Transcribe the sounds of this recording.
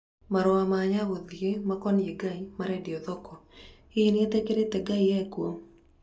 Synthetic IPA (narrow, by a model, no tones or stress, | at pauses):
maɾɔamaɲawod̪jemakɔnjeɡaimaɾɛdiɔðɔkɔ | ɪnet̪ekedet̪ɛɡaiɛkwoŋ